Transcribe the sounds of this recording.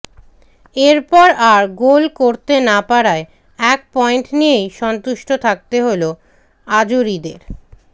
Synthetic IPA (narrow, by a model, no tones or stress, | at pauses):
eɾpɔɾaɾɡolkoɾt̪enapaɾae | ɛk̚pɔeɳʈnijejʃɔnt̪uʃʈot̪ʰak̚t̪eɦolo | ad͡ʑuɾid̪eɾ